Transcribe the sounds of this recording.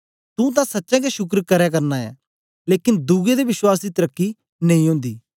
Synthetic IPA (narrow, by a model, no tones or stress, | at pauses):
t̪ũt̪̬ãsɐtːʃɛ̃ːɡeʃʊkɾkəɾɛk̬əɾnaɛ̰ː | leːkɪnd̪uːɡed̪eʋɪʃwaːs̬d̪it̪əɾəkːi | nɐĩɦʊ̃ːnd̪iː